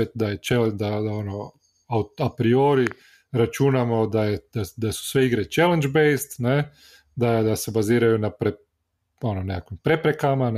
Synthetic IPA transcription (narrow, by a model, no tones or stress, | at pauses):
et̪d̪ajet͡ʃeld̪ad̪aono | aapɾioːɾi | ɾat͡ʃunamo̞d̪ajed̪̥ad̪asu̥sʋeiɡɾet͡ʃelend͡ʒbejst̪ne | d̪ad̪ase̞baziːɾajunapɾe | o̞nonekakʋimpɾe̞pɾekaman